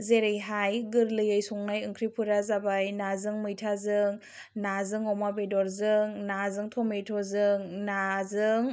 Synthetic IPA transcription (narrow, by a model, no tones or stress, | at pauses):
zeɾɯjɦajɡɯɾlɯjɯjsuŋnajɯŋkʰɾipʰɯɾazabajnazɯŋmɯjtʰazɯŋ | nazɯŋɔmabejdɔɾzɯŋnazɯŋtʰɔmejtʰɔzɯŋnazɯŋ